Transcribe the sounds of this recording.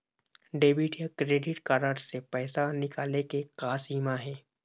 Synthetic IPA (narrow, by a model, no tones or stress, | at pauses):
ɖeːbiʈijakɾeːɖɪʈkaːɾaːɖsepɛːsanɪkaːlekekaːsiːmaɦɛː